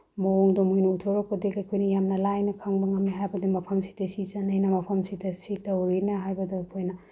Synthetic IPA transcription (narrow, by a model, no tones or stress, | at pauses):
mooŋdomojnuutʰoɾɔkpodekɐjkʰojnɐjamnɐlajnɐkʰaŋbɐŋɐmːiɦajbɐdimɐpʰɐmsi̥dɐsizɐnɐjnɐmɐpʰɐmsidɐsitɐwɾinɐɦajbɐdoɐkʰojnɐ